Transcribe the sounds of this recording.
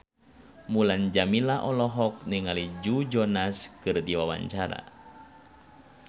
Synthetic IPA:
muland͡ʒamilaʔɔlɔɦɔk̚niŋalid͡ʒud͡ʒɔnaskɨrdiwawa̰ɲt͡ʃaɾa̰

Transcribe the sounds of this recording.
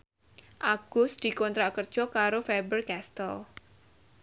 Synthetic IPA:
ʔaɡ̥ʊsd̪̥i̤kɔnt̪ɾakərd̥ʒ̥ɔ̤kaɾofebərkɛst̪əl

